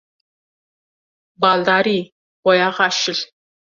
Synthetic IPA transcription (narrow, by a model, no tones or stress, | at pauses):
baːɮdaːɾiː | ʁʷɔjaːʁɑːʃɪɬ